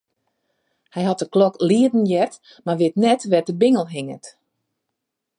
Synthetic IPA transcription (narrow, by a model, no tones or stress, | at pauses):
hɛjɦɔt̚dəklɔkliədn̩jɛrt | marʋɪtnɛtʋɛdəbɪŋəlˠɦɪŋət